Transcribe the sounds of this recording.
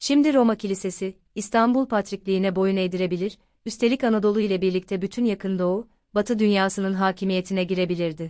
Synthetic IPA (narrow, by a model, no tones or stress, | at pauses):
ʃimd̪iɾo̞macʰilʲise̞sɪː | st̪ʰanbulˠpʰat̪ɾiclʲijːnɛbo̞june̞jd̪iɾe̞bilʲiɾ | yst̪ʰe̞lʲicanad̪o̞lˠuilʲɛbiɾlʲic̚t̪ʰɛbyt̪ʰynjakʰɯnd̪ou | bat̪ʰɯd̪ynjaːsɯnɯnɦaːcʰimije̞t̪ʰinɛɟiɾe̞bilʲiɾd̪ɪ